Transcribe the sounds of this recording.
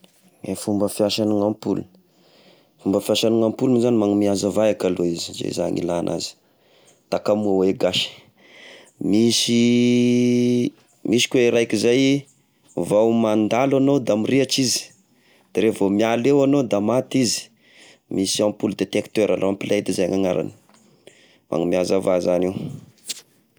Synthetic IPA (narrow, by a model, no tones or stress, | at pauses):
efumbəfiaʃaniŋampṵlun | fumbəfiaʃaniŋampulunzanimaŋumiazavajakaloizizḛza̰ŋḭlanʔa̰zi̥ | t̪akamuaweɡaʃi̥ | misi | misi̥kweɾajkizaj | vawmand̪alanod̪amiriat͡ʃizi̥ | d̪̥aɾevomialewanod̪amat̪izi̥ | misiãmpuld̪et̪ekt̪øɾaloampilʔad̪izajŋaŋaɾa̰ni̥ | mʔa̰ŋumiazavazaniw